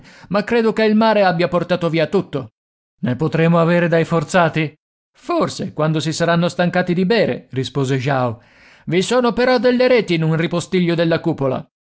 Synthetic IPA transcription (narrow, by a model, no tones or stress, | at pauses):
makːɾeːd̪okeilmaːɾeabːjaport̪aːt̪oviːat̪ːut̪ːo | nepot̪ɾeːmoaveːɾed̪ajfort̪saːt̪i | forsekwand̪osisaɾanːost̪aŋkaːt̪id̪ibɛːɾḛrispoːzeʒao | visoːnopeɾɔd̪ːelːeɾeːt̪iːnunripost̪iʎːod̪elːakuːpola̰